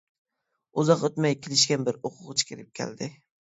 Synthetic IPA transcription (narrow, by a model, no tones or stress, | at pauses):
ʊzɑqot̪majkʲʰɪlɪʃkʲanbɪɾoqʰʊqt͡ʃʰḁkʰʲɪɾɪp̚kʲʰa̰ld̪ɪ